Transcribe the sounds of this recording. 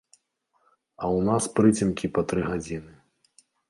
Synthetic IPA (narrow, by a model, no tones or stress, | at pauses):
ɐwnaspɾɨt͡sʲimkʲipɐt̪ɾɨɣad͡zʲinɨ